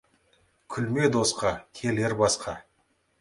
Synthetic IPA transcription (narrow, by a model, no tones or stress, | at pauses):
kʲʰʏlme̞d̪o̞sqɑkʲʰe̞leɾbɑsqɑ